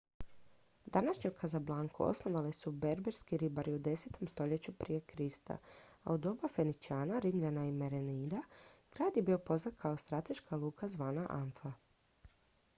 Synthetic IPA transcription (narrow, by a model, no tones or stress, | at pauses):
d̪anaʃɲokʰazablˠaːŋkʰṵo̰sno̞ʋalesube̞ɾbeɾskiɾibaɾiud̪e̞se̞t̪o̞mst̪o̞ʎe̞t͡ɕupɾije̞kɾist̪a̰a̰ud̪o̞bafe̞nit͡ʃiaːnaɾimʎanaimeɾeniːd̪aɡ̥ɾaːd̪jebio̞po̞znad̪kʰao̞st̪ɾat̪e̞ʃkalˠuːkʰazʋaːnaʔanfa